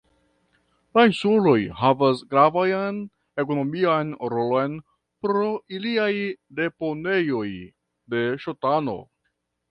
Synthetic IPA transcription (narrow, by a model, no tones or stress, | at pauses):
lainsulo̞jɦavasɡɾavajn | e̞ko̞no̞miajnɾo̞lo̞jn | pɾo̞ʔiliajde̞po̞ne̞jo̞j | de̞ʃotano̞̰